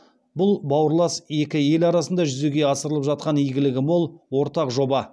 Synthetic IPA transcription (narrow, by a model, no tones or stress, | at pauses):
bʊlˠbɑwəɾlˠɑse̞kʲɪe̞lɑɾɑsənd̪ɑʒʏzeɡʲe̞ɑsəɾəlˠəpʒɑt̪̚qɑnijɡʲɪlɪɡʲɪmo̞lˠwo̞ɾt̪ɑqʒo̞bɑ